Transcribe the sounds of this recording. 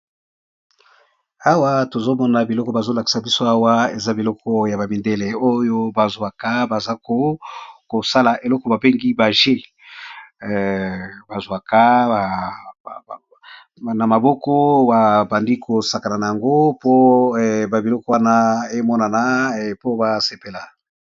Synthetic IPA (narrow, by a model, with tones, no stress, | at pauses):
a˦wa˦to˨zo˦mɔ˦na˦bi˨lɔ˦kɔ˦ba˨zo˦la˨ki̥˨sa˨bi˦so˦a˦wa˦e˨za˦bi˨lɔ˦kɔ˦ja˨ba˨mi˨nde˦le˨o˦jo˦ba˨zwa˨ka˦ba˨za˦ko˦ko˨sa˦la˨ʔe˨lɔ˦kɔ˦ba˨be˦ŋɡi˦ba˨ʒe˦˨ | ba˨zwa˨ka˦a˨ | na˨ma˨bɔ˦kɔ˦ba˨ba˨ndi˦kʰo˨sa˨ka˨na˨na˨ja˨ŋɡo˦po˦˨ba˨bi˨lɔ˦kɔ˦wa˦na˦e˦mɔ˦na˨na˦˨po˦ba˦se˨pe˨la˨